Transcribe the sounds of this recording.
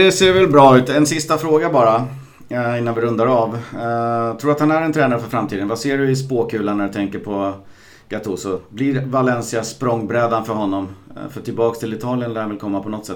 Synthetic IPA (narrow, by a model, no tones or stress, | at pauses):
d̪ɛseːɾvɛlbɾɑːʉ̟ːt̪ɛnsɪst̪afɾoːɡabɑːɾa | ɪnːanvɪɾɵnd̪aɾav | t̪ʰɾuːɾat̪hanæɾɛnt̪ʰɾɛːnaɾəfœɾfɾamt̪iːd̪ənvaseːɖɵɪspoːkʰʉ̟ːlaɳæɖɵt̪ʰɛŋkəɾpʰɔ | ɡ̥at̪ʰuːsʊblɪɾvalɛnsɪaspɾɔŋːbɾɛd̪anfœɾɦɔnːɔmfœʈʰɪlbɑːkst̪ʰɪlɪt̪ʰɑːlɪənd̪ɛhanvɪlkʰɔmːapʰɔnɔt̪sɛt̪ː